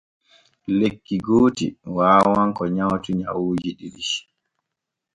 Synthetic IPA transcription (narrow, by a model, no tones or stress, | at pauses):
lekːiɡoːtḭwaːwaŋkɔɲawtuɲa̰wuːd͡ʒiɗiɗiʃ